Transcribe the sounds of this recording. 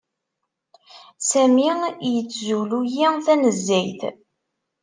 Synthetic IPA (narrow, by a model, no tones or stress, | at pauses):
sæmijət͡sːzulujiθænəzːæjθ